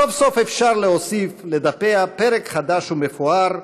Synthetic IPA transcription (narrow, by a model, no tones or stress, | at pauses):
ofso̞fefʃaʁleɦosifled̪apeapeɾekχad̪aʃhumefuaɾ